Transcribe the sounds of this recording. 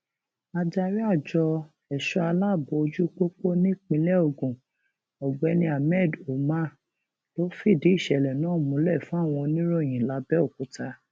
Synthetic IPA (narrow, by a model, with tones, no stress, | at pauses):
a˧d͡ʒa˧ɾi˦a˦˨d͡ʒɔ˧ | ɛ˨ʃɔ˧˦a˧la˦˨bo˨˧o˧d͡ʒu˦k͡po˦k͡po˦nĩ˦˨k͡pĩ˧˦lɛ˦o˦˨ɡũ˨ | ɔ˨ɡ͡bɛ˧nĩ˧a˨mɛ˦˨do˨ma˦˨ | lo˦fi˦˨di˨˦i˦˨ʃɛ˨lɛ˨nãː˨˦˨mũ˨˦lɛ˦˨fũ˨˦a˦˨w̃ɔ̃˧nĩ˦ɾo˦˨j̃ĩ˨la˨˧˦bɛ˦o˦˨ku˨ta˧